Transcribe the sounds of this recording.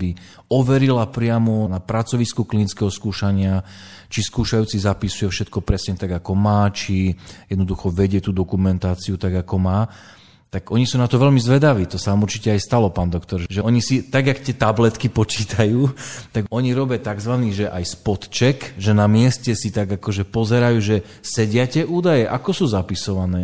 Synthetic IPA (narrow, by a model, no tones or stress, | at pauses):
bi | ɔʋɛɾilapɾɪamɔnapɾat͡sɔʋiskuklinit͡skɛɦɔskuːʃaɲɪat͡ʃiskuːʃajuːt͡sizapisujɛfʃɛt̪kɔpɾɛsɲɛt̪aɡakɔmaːt͡ʃijɛd̪nɔd̪uxɔʋɛɟɪɛt̪uːd̪ɔkumɛnt̪aːt͡siut̪aɡakɔmaː | t̪aɡʔɔɲisuːnat̪ɔʋɛlmizʋɛd̪aʋiːt̪ɔsanamuɾt͡ʃicɛajst̪alɔpaːnd̪ɔkt̪ɔɾʒʒɛɔɲisit̪aɡakt̪ɪɛt̪ablɛt̪kipɔt͡ʃiːt̪ʰajuːt̪aɡɔɲiɾɔbɪat̪aɡzʋaniːʒɛʔajspɔt̪t͡ʃɛkʒɛnamɪɛscɛsit̪aɡakɔʒɛpɔzɛɾajuːʒɛ | sɛɟɪacɛʔuːd̪ajɛʔakɔsuːzapisɔʋanɛː